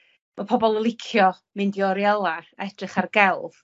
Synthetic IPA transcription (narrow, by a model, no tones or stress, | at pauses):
mapʰɔbɔlˠəlˠɪkʰjɔ | mɪndiɔɾjɛlˠaaɛd̥rɪχarɡɛlˠv̥